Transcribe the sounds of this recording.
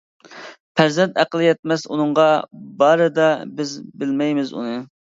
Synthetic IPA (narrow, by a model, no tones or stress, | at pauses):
pʰɛzɛnt̪æqəlˠɨjɛt̪̚mɛsunɨŋɴʁɑbɑɾɨd̪ɑbɪzbɪlmɛjmɪzṵnɨ